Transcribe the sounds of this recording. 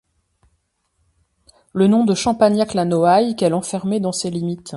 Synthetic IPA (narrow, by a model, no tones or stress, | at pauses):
lənɔ̃d̪əʃɑ̃panjaklanɔajkɛlɑ̃fɛʁmed̪ɑ̃selimit̪